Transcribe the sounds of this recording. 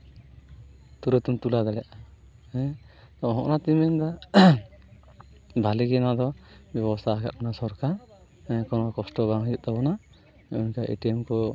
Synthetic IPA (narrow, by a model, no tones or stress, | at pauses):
t̪uɾɛt̪umt̪ulad̪alɛʔa | ɛ | t̪ɔɦɔ̰̃ʔnat̪imɛnd̪a | bʱaliɡɛnad̪ɔbjɔbɔst̪ʰaaka̰t̪̚ɔnasɔɾka | kɔnɔkɔsʈɔbaŋɦɔjuʔ̚t̪ɔbɔna | ɔnkaʔḛʈiɛmkɔ